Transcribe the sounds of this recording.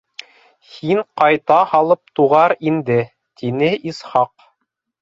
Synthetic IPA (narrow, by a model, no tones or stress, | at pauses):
hiɴqɑjt̪ɑhɑlˠɤp̚t̪uʁɑɾind̪ɘ | t̪ʰinɘʔisχɑq